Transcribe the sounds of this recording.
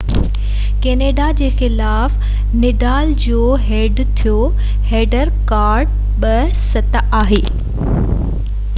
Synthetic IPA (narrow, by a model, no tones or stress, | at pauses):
keːneːɖad͡ʑeːxɪlaːf | nɪɖaːld͡ʑoːɦeːɖt̪ʰijo | heːɖəɾkaːɾɖ̚ | ɓɐ | sɐt̪ʔaːɦeː